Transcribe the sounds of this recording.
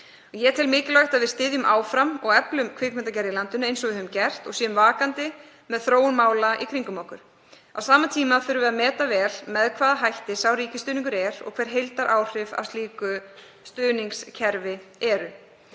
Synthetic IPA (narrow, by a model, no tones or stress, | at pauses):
ɔjɛt̪ʰɪlmɪːcɪlajht̪aðvɪð̥st̪ɪːðjʏmʔaːwfɾamɔɣɛplʏmkʰvɪːkmɛnt̪acɛɾjɪlant̪ʏnʏejnsɔvɪðʏmcɛr̥t̪ɔɣsjɛːmvaːkant̪ɪ | mɛðθɾoːwʏnmaːwlaʔḭkʰɾiŋkʏmawhkʏɾ̥ | awsaːmat̪ʰiːmaθʏɾʏvɛːðamɛːt̪avɛːlmɛðkʰvaːðaɦajht̪ɪsawɾiːcɪst̪ʏːniŋkʏɾɛɾɔ̰ɣkʰvɛɾ̥ɦejlt̪aɾʔaːwr̥ɪva̰st̪liːkʏ | st̪ʏːniŋkscʰɛɾvɪɛɾʏ